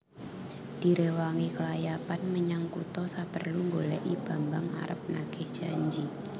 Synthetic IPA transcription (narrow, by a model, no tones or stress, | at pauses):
d̥iɾewaŋikəlajapanməɲaŋkut̪ɔsapərluŋɡolaʔib̥ambaŋa̰ɾəp̚naɡɪhd͡ʒ̥aɲd͡ʒi